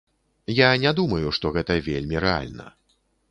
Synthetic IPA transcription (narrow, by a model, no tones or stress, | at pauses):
janʲɛd̪umɐjuʂt̪ɔɣɛt̪ɐvʲelʲmʲiɾɛa̰lʲnɐ̰